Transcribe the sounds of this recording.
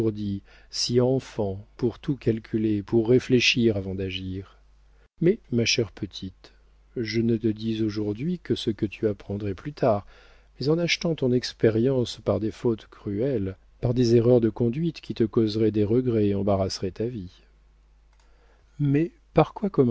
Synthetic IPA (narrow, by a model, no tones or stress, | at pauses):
ʁd̪i | siɑ̃fɑ̃puʁt̪ʰukalkʲʰylepuʁːefleʃiʁavɑ̃d̪aʒiːʁ | mɛmaʃɛʁpʰət̪ʰit̪ | ʒənət̪əd̪izoʒuʁd̪ɥikəsəkət̪ʰyapχɑ̃d̪ʁɛplyt̪ʰaʁ | mɛzɑ̃naʃt̪ɑ̃t̪ɔ̃nɛkspeʁjɑ̃spaʁd̪efot̪kχyɛl | paʁd̪ezeʁœʁd̪əkɔ̃d̪ɥit̪kʲit̪əkozʁɛd̪eʁəɡʁɛɑ̃baʁasʁɛt̪avi | mɛ | paʁkwakɔm